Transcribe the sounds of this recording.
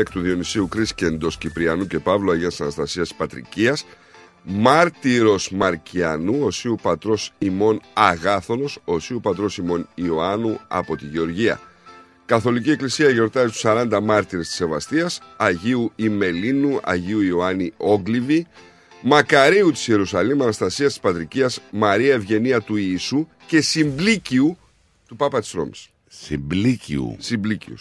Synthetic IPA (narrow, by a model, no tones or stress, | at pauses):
ekt̪uðio̞nisiukɾisce̞nd̪o̞scipɾiɐnuce̞pɐvlo̞ɐjʝiɐisɐnɐst̪ɐsiɐst̪i̥spɐt̪ɾḭciɐs | mɐɾt̪iɾo̞smɐɾciɐnuo̞siupɐt̪ɾo̞simo̞nɐɣɐθo̞no̞so̞siupɐt̪ɾo̞simo̞nioɐnuɐ̰po̞t̪iʝe̞o̞ɾʝiɐ̰ | kɐθo̞licie̞klisiɐʝo̞ɾt̪ɐzist̪u̥sɐɾɐnd̪ɐmɐɾt̪iɾest̪i̥se̞vɐst̪iɐsɐʝiuime̞linuɐ̰ʝiuioɐnio̞ɡlivi | mɐkɐɾiut̪i̥sie̞ɾusɐlimɐnɐst̪ɐsiɐst̪i̥spɐt̪ɾiciɐzmɐɾiɐe̞vʝe̞niɐt̪uisu | ce̞simbliciu | t̪upɐpɐt̪i̥sɾo̞̰mi̥̰s | simblicḭṵsimblicḭṵs